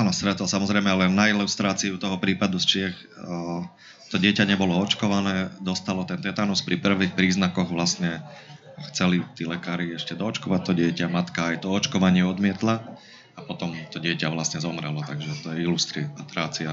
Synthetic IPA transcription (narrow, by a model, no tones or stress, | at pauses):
aːnɔst̪ɾɛt̪ɔlsamɔzɾɛjmɛlɛnːailust̪ɾaːt͡siut̪ɔɦɔpɾiːpad̪ust͡ʃɪɛx | t̪ɔɟɪɛcaɲɛbɔlɔɔt͡ʃkɔʋanɛːd̪ɔst̪alɔt̪ɛnt̪ɛt̪anuspɾipr̩ʋixpɾiːznakɔɣʋlasɲɛ | xt͡sɛlit̪iːlɛkaːɾiɛʃcɛd̪ɔːt͡ʃkɔʋac̚t̪ɔɟɪɛcamat̪kaːjt̪ɔɔt͡ʃkɔʋaɲɪɛɔd̪mɪɛt̪la | apɔt̪ɔmt̪ɔɟɪɛcaʋlasɲɛzɔmɾɛlɔt̪aɡʒɛt̪ɔjɛilust̪ɾit̪ɾaːt͡sia